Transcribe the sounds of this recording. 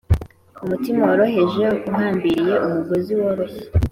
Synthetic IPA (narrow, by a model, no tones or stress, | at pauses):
umutimawoɾo̞ɦe̞ʒe̞kuɦaːmbiɾije̞ʔumuɡoziwoɾo̞he